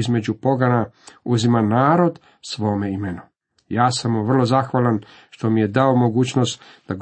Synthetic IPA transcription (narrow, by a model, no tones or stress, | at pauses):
izme̞d͡ʑupo̞ɡanauzimanaːɾo̞d̪ | sʋo̞ːme̞imenu | jaːsamuʋr̩lˠo̞zaxʋalan | ʃt̪o̞mije̞d̪ao̞mo̞ɡuːt͡ɕnost̪d̪̥aɡ